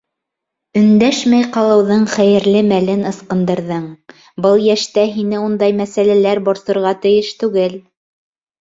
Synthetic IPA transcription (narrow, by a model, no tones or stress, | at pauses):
ɵ̆nd̪æʃmæjqɑlˠɤ̆wðɤɴχæjɘ̆ɾlɘmælɘnɤ̆sqɤ̆nd̪ɤ̆ɾðɤɴ | bɤlˠjæʃt̪æɦinɘund̪ɑjmæsælælæɾboɾsɤ̆ɾʁɑt̪ɘ̆jɘʃt̪ʉɡɘl